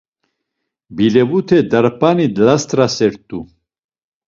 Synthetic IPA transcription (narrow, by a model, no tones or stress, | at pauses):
bilɛvut̪ʰɛd̪aɾpʰanid̪last̪ʼɾasɛɾt̪ʼu